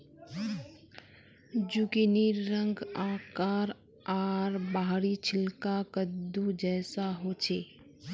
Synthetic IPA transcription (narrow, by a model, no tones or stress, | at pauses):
d͡ʒukiniɾːəŋɡaːkaɾ | aɾbaɦɾit͡ʃʰɪlkakəd̪ud͡ʒɛːsaɦot͡ʃʰe